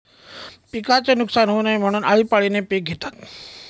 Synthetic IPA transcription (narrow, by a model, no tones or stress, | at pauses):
pikat͡ɕenʊksaːnɦonaĩm̤aɽ̃unʔaːʋipaɭinepek̚ɡʱet̪ak̪